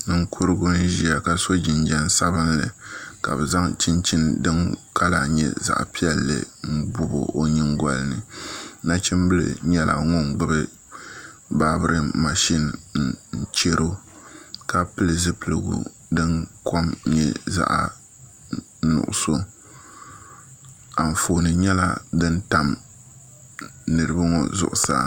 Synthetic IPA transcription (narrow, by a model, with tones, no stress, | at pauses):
nɨ˦ŋ˦kʰu˦ɾɨ˦ɡʊ˦n˦ʒi˦a˨ka˨so˦d͡ʒi˨nd͡ʒa˦n˦sa˦bɨ˦n˦lɨ̰˨ka̰˨bɛ˨za˦ŋt͡ʃi˦nt͡ʃi˦ndɨ˦nkʰa˦la˨ɲɛ̰˦˨za̰˨ʔpi˦ɛ˦lːɨ̰˨ŋ̩˦bʊ˦bo̰˨ʔo˦ɲɨ˦ŋ˦ɡa˦lnɨ˨na˦t͡ʃi˦m˦bɨ˦lɨ̰˨ɲɛ˦la̰˨ŋo˦ŋɡ͡bɨ˦bɨ˦ | ba˦bɨ˦ɾʔɨ˦ma˨ʃi˦n̩˨n̩˦t͡ʃe˦ɾo˦ | ka˦pɨ˦lɨ˨zɨ˦pɨ˦lɨ˨ɡṵ˨ | dɨ˦ŋkʰɔ˦mɲɛ˦za̰˦ʔa˨ | nʊ̰˨ʔʊ̰˨so˦ | a˨n̩˨fo˨nɨ˨ɲɛ˦la̰˦dɨ˦nta˨m | nɨ˨ɾɨ˨bɨ˦ŋɔ˨zʊ̰˨ʔʊ˨sa̰˦˨